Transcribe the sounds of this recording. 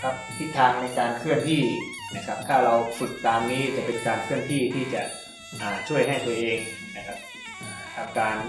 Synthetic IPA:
kʰa˦˥p̚t̪ʰi˦˥t̪ʰːaː˧ŋna˧jkaː˧nkʰɯ˥˩ənt̪ʰiː˥˩ | na˦˥kʰa˦˥p̚t̪ʰaː˥˩ɾa˧wfu˨˩t̪ːaː˧mniː˦˥t͡ɕa˨˩pe˧nkaː˧nkʰɯ˥˩ənt̪ʰiː˥˩t̪ʰiː˥˩t͡ɕa˨˩ʔ | ʔaː˨˩t͡ɕʰu˥˩əjɦa˥˩jt̪u˧ɐʔeː˧ŋ | na˦˥kʰa˦˥p̚ | ʔaː˨˧˩kʰa˨˩p̚kaː˧n

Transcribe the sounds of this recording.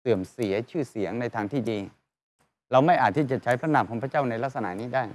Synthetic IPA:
sɯ˨˩əmsi˨˩˦ɐt͡ɕʰɯː˥˩si˨˩˦əŋna˧jt̪ʰaː˧ŋt̪ʰiː˥˩diː˧ | ɾa˧wma˥˩jʔaː˨˩t̪ʰːiː˥˩t͡ɕa˨˩t͡ɕʰa˦˥jpʰɾa˦˥naː˧˩mkʰɔː˨˩˦ŋpʰa˥˩t͡ɕaː˥˩wna˧jla˦˥k̚sa˧na̰˩˥niː˦˥daː˥˩j

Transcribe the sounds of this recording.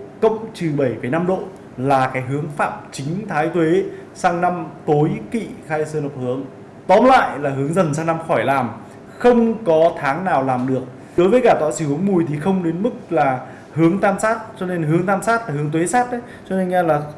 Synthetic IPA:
kə̰˧˨wŋ͡mt͡ɕɨ˨˩ɓə˧˩jfaː˧˩jna˧mɗo̰˧˨ | laː˨˩kaː˨˦jɦɨ˨˦əŋfa̰ː˧˨mt͡ɕï˨˦ŋ̟t̪ʰaː˨˦jt̪ʰwe˨˦saː˧ŋna˧mt̪o˨˦jkḭ˧˨xaː˧jsəː˧nə˨˩p̚hɨ˨˦əŋ | t̪ɔ˨˦mla̰ː˧˨jlaː˨˩ɦɨ˨˦əŋzə˨˩ns̬aː˧ŋna˧mxɔ˧˩jlaː˨˩m | xə˧wŋ͡mkɔ˨˦t̪ʰaː˨˦ŋnaː˨˩wlaː˨˩mɗɨ˨˩ək̚ | ɗo˨˦jvəː˨˦kaː˧˩t̪wa̰ː˧˨jsɨ˧˩hɨ˨˦əŋmu˨˩jt̪ʰi˨˩xə˧wŋ͡mɗe˨˦nmɨ˦˥k̚laː˨˩ | hɨ˨˦əŋt̪aː˧msaː˦˥t̚t͡ɕɔ˧ne˧nɦɨ˨˦əŋt̪aː˧msaː˦˥t̚laː˨˩hɨ˨˦əŋt̪we˨˦saː˦˥t̚ʔə˨˦jjt͡ɕɔ˧ne˧nŋa˧laː˨˩

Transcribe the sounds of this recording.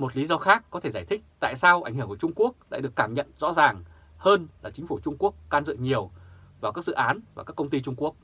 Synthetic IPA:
mo˨˩t̚li˨˦zɔ˧xaː˦˥kːɔ˨˦t̪ʰe˧˩zaː˧˩jt̪ʰɪ̈˦˥k̟̚t̪a̰ː˧˨jsaː˧wʔa˧˩ŋ̟ɦɨ˧˩əŋkt͡ɕʊ˧ŋ͡mku˦˥ək̚ɗa̰ː˧˥ɗɨ˨˩əkːaː˧˩mɲə̰˧˨nzɔ̰˧˥zaː˨˩ŋ | həː˧nlaː˨˩t͡ɕï˨˦ŋ̟fu˧˩t͡ɕʊ˧ŋ͡mku˦˥əkːaː˧nzɨ̰˧˨ɲi˨˩əwvaː˨˩kaː˦˥k̚zɨ̰˧˨ʔaː˨˦nvaː˨˩kaː˦˥kːə˧ŋ͡mt̪i˧t͡ɕʊ˧ŋ͡mku˦˥ək̚

